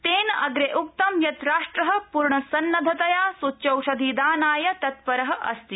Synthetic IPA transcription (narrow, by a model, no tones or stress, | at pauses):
t̪eːnɐɐɡɾeʔuk̚t̪ɐmjɐt̪ɾaːʂʈɾɐɦɐ̆puɾɳɐsɐnːɐd̪ʱɐt̪ɐjaːsutːt͡ʃɐwʃɐd̪ʱiːd̪aːnaːjɐt̪ɐt̪pɐɾɐɦɐ̆ʔɐst̪i